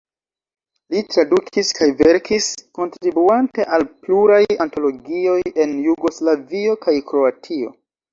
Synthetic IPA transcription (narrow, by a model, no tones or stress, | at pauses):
litɾadukʰiskajve̞ɾkisko̞ntɾɾibuante̞ʔalpluɾajanto̞lo̞ɡio̞je̞njuɡo̞slavio̞kajkɾo̞atʰio̞̰